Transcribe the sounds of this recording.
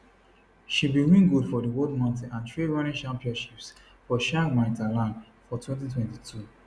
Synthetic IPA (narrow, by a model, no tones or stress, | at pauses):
ʃibiwĩnɡudfɔdəwɔdmãntĩãntɹevaɹĩt͡ʃãmpiɔ̃ʃips | fɔʃãmãtalãn | fɔtʰwɛ̃ntitʰwɛ̃ntitʰu